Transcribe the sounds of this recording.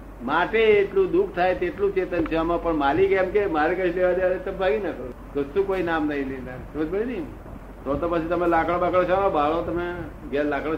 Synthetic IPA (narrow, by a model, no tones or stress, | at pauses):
maʈeːʈlũd̪ukʰt̪ʰajt̪eʈlũt͡ʃet̪ənt͡ʃʰamãpəɳmalikɛmkemaɾekət͡ʃʰleʋad̪eʋaɾet̪əbbʱaɡinakəɾu | kəsũkoinamnəɦĩlenat̪əməd͡ʒbəɽid̪im | t̪ot̪opət͡ʃʰit̪əmelakɭabakɭat͡ʃʰamãbʱaɭõt̪əmeɡjalakɽ